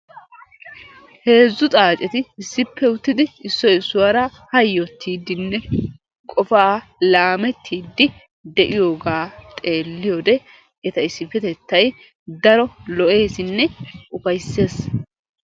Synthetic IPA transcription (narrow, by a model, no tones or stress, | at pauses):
he̞ːzːʊt̪ʼaːt͡ʃʼɛt̪ɪɪsːɪpʰːɛʊt̪ːɪd̪ɪɪsːɔjɪsːʊwaɾɐhɐjːɔt̪ʰːiːd̪ːɪnːɛ | kʼɔfaːlaːmɛt̪ʰːiːd̪ːɪ | d̪ɛʔɪjo̞ːɡaːt̪ʼe̞ːlːɪjod̪ɛ | ʔɛt̪ɐɪsːɪpːɛt̪ɛt̪ːɐj | d̪ɐɾɔlɔʔe̞ːsɪnːɛʊfɐjsːe̞ːs